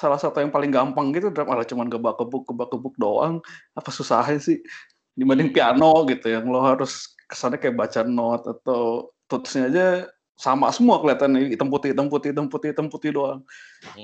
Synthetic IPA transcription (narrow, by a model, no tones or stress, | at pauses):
salahsat̪ujaŋpalɪŋɡampaŋɡit̪udɾamalat͡ʃumanɡəbakəbʊk̚ɡəbakəbʊk̚doʔa̰ŋapasusaɦaɲasɪh | dimadɪŋpianoɡit̪ujaŋlɔɦaɾʊs | kə̥sanakajaʔbat͡ʃanɔt̪̚at̪awt̪ut̪u̥sɲaːd͡ʒa | sama̰səmuakəliat̪kanit̪əmput̪it̪əmput̪it̪əmput̪it̪əmput̪idoaŋ